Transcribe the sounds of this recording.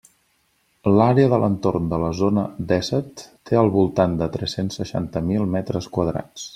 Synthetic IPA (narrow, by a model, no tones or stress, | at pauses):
laɾeəðələnt̪ornd̪ələzonəd̪ɛsət̪ː | eəlˠβulˠt̪and̪ət̪ɾɛsensːəʃa̰nt̪əmilˠmɛt̪ɾəskwəðɾa̰t͡s